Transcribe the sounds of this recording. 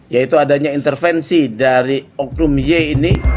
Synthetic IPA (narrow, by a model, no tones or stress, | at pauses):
jait̪uadaɲaint̪ərfɛnsidaɾiɔk̚numjeːni